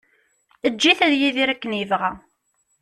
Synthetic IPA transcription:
əd͡ʒːiθæðjiðiɾækːəniəvʁæ

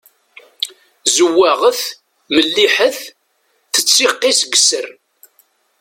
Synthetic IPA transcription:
zəwːæʁəθ | məlːiħəθ | θət͡sːiqːisɡəsər

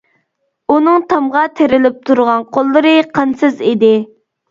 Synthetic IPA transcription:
unɨŋt̪ʰɑmʁɑt̪ʰeɾɪlɪp̚t̪ʰuɾʁɑnqʰolˠːɨɾɨqʰɑnsɨzid̪ɪ

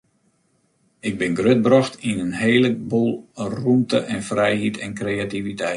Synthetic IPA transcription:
ɪɡ̚bɪnɡrøt̚brɔxtʰinənɦeːləbulˠrumtə̰ʔɛnfrɛjhitʰɛnkreːativitɛ

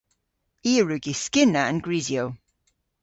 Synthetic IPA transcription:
iːəɹʉɡiskɪnəə̰̃nɡɹiːzioʊ

